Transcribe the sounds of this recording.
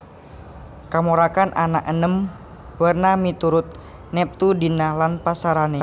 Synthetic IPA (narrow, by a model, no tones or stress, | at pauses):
kamoɾakanʔana̰kʔənəm | bərnamit̪uɾʊt̪̚ | nɛp̚t̪udinahlanpasaɾanɛ